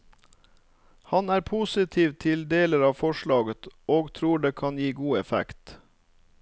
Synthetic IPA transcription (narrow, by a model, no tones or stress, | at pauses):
hɑnæːɾpʰusɪt̪ʰiːʋt̪ʰɪld̪eːləɾɑːʋfɔʃɭɑːɡət̪oːɡt̪ʰɾuːɖeːkʰɑnjiːɡuːɛfæ̰kt̪